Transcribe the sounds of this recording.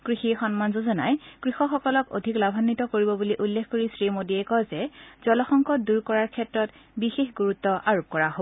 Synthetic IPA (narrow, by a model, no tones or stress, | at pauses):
kɹixixɔnmanzozɔnajkɹixɔxɔkɔlɔko̰dʱiklabʱanːitɔkoɹibɔbuliʔulːexʰkoɹisɹimodiɛkɔzɛz̥ɔlɔxɔŋkɔt̚duɹkɔɹaɹkʰɛtɹɔt | bixexɡuɹutːɔʔaɹop̚kɔɹaɦobɔ